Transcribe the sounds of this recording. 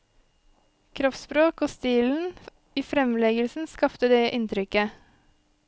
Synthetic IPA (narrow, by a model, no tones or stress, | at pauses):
kʰɾɔfspɾoːkoːst̪iːln̩ | iːfɾɛmlɛɡəlsn̩skɑpt̪əd̪eːʔɪnt̪ɾʏkə